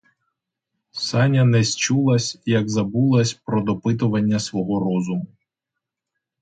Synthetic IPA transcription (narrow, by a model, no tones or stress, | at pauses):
sɑnʲɐnɛsʲt͡ʃulˠɐsʲjɐɡzɐbulˠɐsʲpɾɔd̪ɔpɪt̪ʊʋɐnʲːɐsʋɔɦɔɾɔzʊmʊ